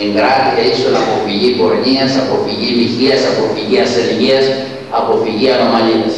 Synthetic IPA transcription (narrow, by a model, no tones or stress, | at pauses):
eŋɡɾat̪it̪eisolapo̞fiʝikoɾɲiɐsapofiʝimiçiasapo̞fiʝiaselʝiɐs | a̰po̞fiʝiano̞maliɐs